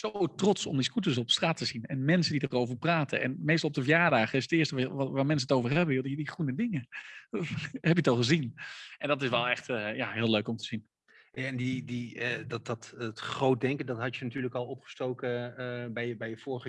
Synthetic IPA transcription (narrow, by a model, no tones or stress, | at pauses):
sowtrɔtsɔ̰mdiskutəsɔpstraːtəzinɛnmɛnsəndidarowvəɹpraːtə̰ʔɛ̰nmejstlˠɔp̚dəvjaːɹdaːχəɪsətɪːstəʋaːɹmɛns̬ənətowvəɹɦɛbəjodidiχunədɪŋə | ɦɛpjətɑlˠχəzinɛndɑtɪsʋɛlˠɛχtːjaɦɪːløɥkɔmtəz̥in | aɛndididtɑttχrowt̚dɛŋkəndɑtɦɑtjənatyːɹləkɑlˠɔpχə̥stowkəbɛjəbɛjəfʊːɹəχə